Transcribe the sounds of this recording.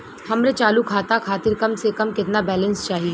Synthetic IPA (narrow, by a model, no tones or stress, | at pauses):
hɐmɾet͡ʃaːlukʰaːt̪akʰaːt̪ɪɾkɐmsekɐmkɪt̪nabɛːlə̃nst͡ʃaːɦie